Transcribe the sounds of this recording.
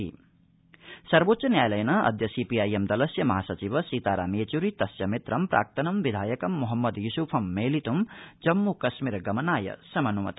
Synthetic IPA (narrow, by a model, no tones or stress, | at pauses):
ḭ | sɐɾboːt̪ːʃɐnjaːjlɐjnɐɐ̰d̪ʱjɐsipiaːjemd̪ɐlɐsjɐmɐɦaːsɐt͡ʃiʋɐsit̪aːɾa̰ːmeːt͡ʃuɾit̪ɐsjɐmit̪ɾɐmpɾʔa̰ːk̚t̪ɐnɐmʋid̪ʱaːjɐkɐmːuɦɐmːɐd̪jusupʰɐmːeːlit̪umd͡ʒɐmːukɐsmiɾɡɐmɐnaːjɐ̰sɐmɐnumɐ̰t̪